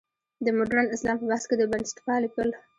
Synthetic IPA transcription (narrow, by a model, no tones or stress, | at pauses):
d̪əmʊɖɾanɪslɑmpəbahsked̪əbanɪsʈɪ̥kɑlɪpəl